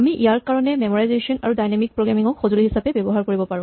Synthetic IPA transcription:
amiʔijaɹkaɹɔnɛmemɔɹajzesɔnaɹudajnamik̚pɹoɡɹamiŋɔkxozuliɦisapɛbebɔɦaɹkoɹibɔpaɹũ

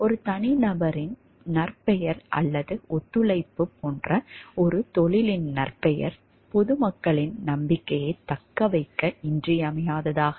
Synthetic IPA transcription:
ɔɾɯt̪ɐnɪnɐbɐɾɪn | nɐrpɛjɐɾʔɐ̰lːɐðɯʔɔt̪ːɯɭɐɪpːɯpːoːndrɐɔɾɯt̪ɔɭɪlɪnnɐrpɛjɐ̰ɾ | pɔðɯmɐkːɐɭɪnnɐmbɪkːɐjɐɪt̪ːɐkːɐʋɐɪkːɐɪndrɪjɐmɐjaːðɐðaːɣɐ

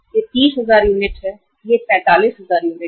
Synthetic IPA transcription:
jet̪iːsɦəzaːɾjuːnɪʈɛ | jepɛ̃ːt̪aːliːsɦəzaːɾjuːnɪʈ

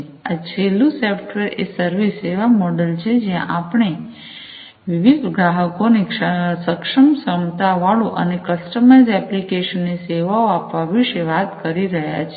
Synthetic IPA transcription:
at͡ʃʰelũsɔfʈʋeɾḛsəɾʋiseʋamɔɖəlt͡ʃʰed͡ʒjã̰ʔapɳ̃e | ʋiʋid̪ɡɾaɦəkonikəsəkʂəmsəmt̪aʋaɭũʔə̰nekəsʈəmaizɛplikeʃənːiseʋaoapʋaʋiʃeʋat̪kəɾiɾəɦja̰t͡ʃʰ

